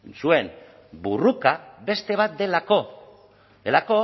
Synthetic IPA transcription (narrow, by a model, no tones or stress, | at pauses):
sue̞m | burukabe̞st̪e̞β̞at̪̚d̪elako̞ | d̪e̞lako̞